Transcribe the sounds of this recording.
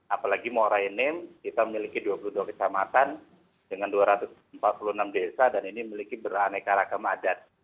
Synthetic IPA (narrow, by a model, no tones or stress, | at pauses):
apalaɡimoɾaənɪmkit̪aməmilikiduapuluduakə̥t͡ʃamat̪an | dəŋanduaɾat̪ʊsəmpat̪̚puluənamdesadaninimilikibəɾanajkaɾakamadat̪̚